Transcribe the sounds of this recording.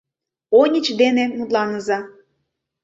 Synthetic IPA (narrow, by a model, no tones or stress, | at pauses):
onʲət͡ɕd̪enemut̪lɑnəzɑ